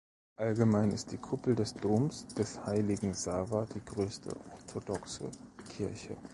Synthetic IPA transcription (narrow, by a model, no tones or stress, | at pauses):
ʔalɡəmaɪnɪst̚d̥iːkʰʊpl̩dɛsd̥oːmsd̥ɛshaɪlɪɡŋ̩zaːvɐd̥iːɡʁøːstʰə̰ʔɔɐtʰodɔksə̰kʰɪɐçə̰